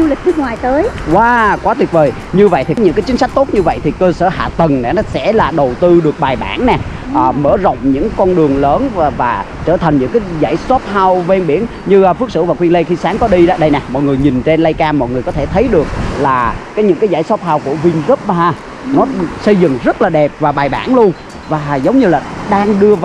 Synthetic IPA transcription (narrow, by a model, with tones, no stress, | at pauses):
zu˧lɨ̈˨˩k̟̚nɨ˦˥ək̚ŋwaː˨˩jt̪əː˨˦jwaː˨˧kwaː˨˦t̪wi˨˩ət̚vəː˨˩j | ɲɨ˧və̰˧˨jt̪ʰi˨˩ɲɨ̰˧˥ŋkaː˨˦jt͡ɕï˨˦ŋ̟sa˦˥k̚t̪o˦˥t̚ɲɨ˧və̰˧˨jt̪ʰi˨˩kəː˧sə̰ː˧˩ha̰ː˧˨t̪ə˨˩ŋnɛ̰˨˩nɔ˨˦sɛ̰˧˥laː˨˩ɗə˨˩wt̪ɨ˧ɗɨ˨˩ək̚ɓaː˨˩jɓa̰ː˧˩nnɛ˨˩ | ʔəː˨˩məː˧˩zə̰˧˨wŋ͡mɲɨ̰˧˥ŋkɔ˧nɗɨ˨˩əŋləː˨˦nvvaː˨˩ | t͡ɕəː˧˩t̪ʰa˨˩ŋ̟ɲɨ̰˧˥ŋkaː˨˦jza̰ː˧˩jsɔ˦˥p̚ɦaː˧wve˧nɓi˧˩ənɲɨ˧˩fɨ˦˥k̚sɨ̰˧˥˩vaː˨˩kwi˧ənlə˧jxi˧saː˨˦ŋkɔ˨˦ɗi˧ɗa˧˦ɗə˧jnɛ˨˩mɔ̰˧˨jŋɨ˨˩əjɲi˨˩nt͡ɕe˧nlə˧jkaː˧mɔ̰˧˨jŋɨ˨˩əjkɔ˨˦t̪ʰe˧˩t̪ʰə˨˦jɗɨ˨˩ək̚laː˨˩kaː˨˦jɲɨ̰˧˥ŋkaː˨˦jzaː˧˩jsɔ˦˥p̚ɦaː˧wku˧˩əvi˧ŋzə˦˥p̚m˨a˧˩ | nɔ˨˦sə˧jzɨ̰˧˨ŋzə˦˥t̚laː˨˩ɗɛ˨˩p̚vaː˨˩ɓaː˨˩jɓa̰ː˧˩nlu˧ən | vaː˨˩zə˨˦wŋ͡mɲɨ˧laː˨˩ɗaː˧ŋɗɨ˧əv